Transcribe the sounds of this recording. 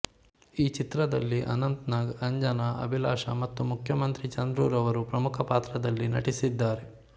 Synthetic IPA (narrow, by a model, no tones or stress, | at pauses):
iːt͡ʃit̪ɾɐd̪ɐlːiʔɐ̰nɐnt̪naːɡɐɲd͡ʒɐnɐʔɐ̰bʱilaːʂɐmɐt̪ːumukʰjɐmɐnt̪ɾit͡ʃɐnd̪ɾuːɾɐʋɐɾupɾɐmukʰɐpaːt̪ɾɐd̪ɐlːinɐ̰ʈisid̪ːaːɾe